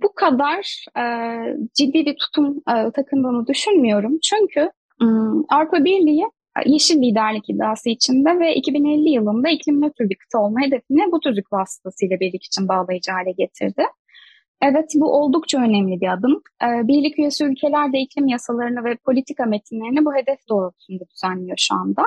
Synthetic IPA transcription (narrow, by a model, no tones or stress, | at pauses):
bukʰad̪aɾɛːd͡ʒid̪ːiːbit̪ʰu̥t̪ʰumɯːt̪ʰakʰɯmd̪ɯːnɯd̪yʃynmyjo̞ɾumt͡ʃʰyɲcʰy | avɾupʰabiɾlʲijḭ | jeʃinlʲiːd̪æɾlʲicid̪ːaːsɯit͡ʃʰind̪ɛvɛʔḭcʰibinelʲːijɯlˠɯnd̪aicʰlʲimnøt̪ʰyɾlʲikʰɯ̥t̪ʰaolˠmaɦe̞d̪e̞finɪbut̪ʰyɾd̪ukvasɯ̥t̪ʰasɯjlˠabiɾlʲici̥t͡ʃʰinbaːlˠajɯd͡ʒɯɦalʲɛɟe̞t̪ʰḭɾd̪ɪ | ɛvɛt̪buʔo̞lˠd̪ukt͡ʃʰaø̞nɛmlʲibiad̪ɯm | ɯːbiɾlʲicyjesuylʲcʰe̞lʲæɾd̪ɛicʰlʲimjasalˠaɾɯnɯvɛpʰo̞lʲit̪ʰikamet̪ʰinlʲeɾinibuɦe̞d̪ɛfd̪̥o̞ːɾasund̪ad̪yzænːʲijo̞ʃuand̪a